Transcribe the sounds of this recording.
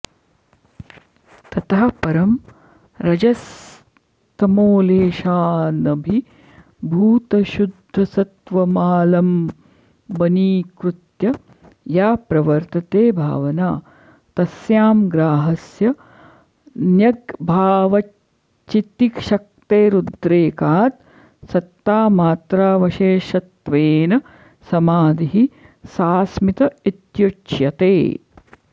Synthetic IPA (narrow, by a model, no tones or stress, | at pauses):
t̪ɐt̪aɦɐpɐɾɐm | ɾɐd͡ʒɐs | t̪ɐmoːleːʃaːnɐbʱi | bʱuːt̪ɐʃud̪ʱːɐsɐt̪ʋɐmaːlɐm | bɐniːkɾut̪jɐ | jaːpɾɐʋɐɾt̪ɐt̪eːbʱa̰ːʋɐnaː | t̪ɐsjaːmɡɾaːɦɐsjɐ | njɐɡbʱaːʋɐ | t͡ʃit̪ikʃɐk̚t̪eːɾud̪ɾeːkaːt̪̚ | sɐt̪ːaːmaːt̪ɾaːʋɐʃeːʃɐt̪ʋeːnɐ | sɐmaːd̪iɦi | saːsmit̪ɐit̪jut͡ʃjɐt̪ḛː